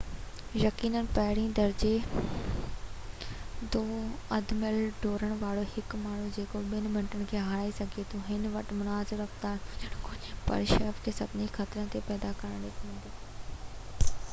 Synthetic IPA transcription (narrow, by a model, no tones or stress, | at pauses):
jɐkiːnənɪ̆pɐɦɪɽĩd̪ɐɾd͡ʑe | d̪oːɐd̪mɪlɖʱoːɾəɽ̃ʋaːɽohɪkmaːɳ̤ũd͡ʑeːkoɓɪnbʱɐ̃ɳʈəɽ̃̆kʰeːɦaːaːisɐɡʱet̪ʰuɦɪnʋɐʈmʊnaːzɪɾɐft̪aːnd͡ʑɐɽ̃kʊɲpɐ̰ɾʃəfkʰeːsɐd̪nixat̪ɾənɪ̆t̪epɛːd̪akɐɾəɽ̃ɗɪkʰʋɪ̃ːnd̪oː